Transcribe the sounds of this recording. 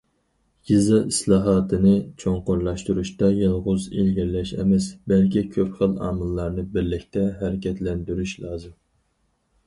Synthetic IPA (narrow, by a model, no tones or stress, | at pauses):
ɡ̥izɑʔislˠɑːɦɑːt̪ʰɨnɨt͡ʃʰoɴqoɾlˠɑʃt̪uɾuʃt̪ɑjɨlˠʁʊzḭlɡʲiɾlɛʃɛ̰mɛsbɛlkʲikʲʰøpχəlˠɑ̰ːmɨlˠːɑɾnɨbɪɾlɪkʲt̪ʰɛɦɛɾɪkʲʰɛt̪lɛnd̪yɾyʃlˠɑːzɨm